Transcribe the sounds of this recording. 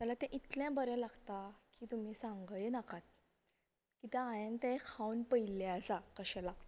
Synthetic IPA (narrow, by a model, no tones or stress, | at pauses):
t̪jalat̪ɛ̃ʔit̪ljãbəɾɛ̃laɡt̪akiːt̪um̤iːsãŋɡəjenakʰat̪̚ | kit̪jãːjənt̪ɛ̃kʰãwunpəild͡zakəɕɛ̃laɡt̪a